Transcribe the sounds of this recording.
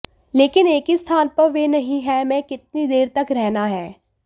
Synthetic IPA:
leːkɪneːkist̪ʰaːnpɐɾʋeːnɐɦĩɦɛmɛ̃ːkɪt̪̚nid̪eːɾt̪ɐkɾɛɦnaɦɛː

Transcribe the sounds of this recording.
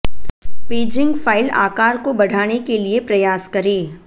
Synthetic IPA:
peːd͡ʒɪ̃ŋɡfaːɪlaːkaːɾkobɐɽ̤ʱaːnekeliepɾɐjaːskɐɾẽː

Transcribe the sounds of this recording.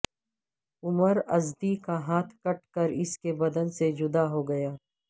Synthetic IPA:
ʊməɾɐzd̪ikaɦaːt̪ʰkɐʈ̚kəɾɪskebɐd̪ənsed͡ʒʊd̪aɦoɡɐjaː

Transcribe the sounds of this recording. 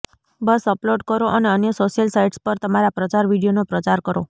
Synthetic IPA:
bəsəploɖkəɾoʔəneənjəsoʃijəlsaiʈspəɾt̪əmaɾapɾət͡ʃaɾʋiɽijonopɾət͡ʃaɾkəɾo

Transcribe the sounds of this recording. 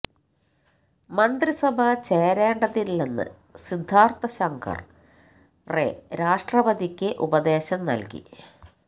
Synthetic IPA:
mɐnd̪risɐbʱɐt͡ɕe̞ːɾeːɳɖɐðiːenːɨ̰ | sid̪ʱːaːrt̪ɐɕɐŋkʰɐ̰r | rḛɾaːʂʈrɐbɐd̪ikʲːɨʔubɐd̪e̞ːɕɐmnɐ̰lkḭ

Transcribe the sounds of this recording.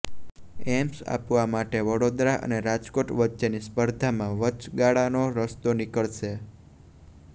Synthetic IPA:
ɛmsa̰pʋamaʈeʋəɽod̪ɾaʔə̰neɾad͡ʒkoʈʋətːʃenispəɾd̪ʱamãʋət͡ʃɡaɭanoɾəst̪onɪkəɭʃe

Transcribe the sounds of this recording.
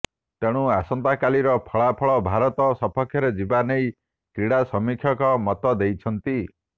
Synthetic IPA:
t̪eɽ̃uasɔnt̪akaliɾɔpʰɔɭapʰɔɭɔbʱaɾɔt̪ɔsɔpʰɔkʰjɔɾed͡ʒibanej | kɾiɽasɔmikʰjɔkɔmɔt̪ɔd̪ejt͡ʃʰɔnt̪i

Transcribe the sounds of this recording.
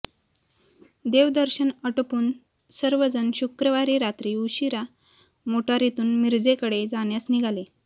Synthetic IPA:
d̪eʋd̪əɾɕənəʈəpuːn | səɾʋəd͡zənɕukɾəʋaɾiːɾat̪ɾiːuɕiɾa | moʈaɾit̪uːnmiɾd͡zekəɽed͡zaɳ̃jasniɡʱale

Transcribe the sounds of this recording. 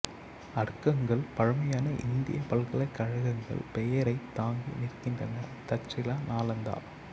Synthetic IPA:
ɐɽɯkːɐŋɡɐɭpɐɻɐmɐjaːnɐʔɪ̰nd̪ɪ̰jɐpɐɭɣɐɭɐɪkːɐɻɐɣɐŋɡɐ̰ɭpɛjɐɾɐɪt̪ːaːŋɡḭnɪrkɪndrɐ̰nɐt̪ɐt͡ʃɪlaːnaːlɐnd̪a̰ːl

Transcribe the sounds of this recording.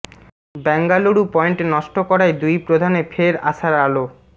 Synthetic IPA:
bɛŋɡaloɽupɔeɳʈenɔʃʈokɔɾajd̪ujpɾod̪ʱanefʰeɾa̰ʃaɾalo

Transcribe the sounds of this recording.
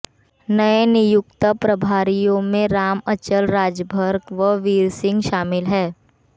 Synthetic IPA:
nɐenɪjʊkt̪əpɾɐbʱaːɾijõmẽɾaːmət͡ʃəlɾaːd͡ʒəbʱəɾɡʋəʋiːɾsɪ̃ŋɡʃaːmɪlɦɛː

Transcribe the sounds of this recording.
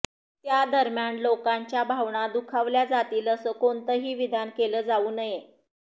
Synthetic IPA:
t̪jad̪əɾmjanlokaɲt͡ɕjabʱaʋɳad̪ukʰaʋljad͡zat̪iːləsəːkont̪əɦiːʋid̪ʱankeləːd͡zauːnəje

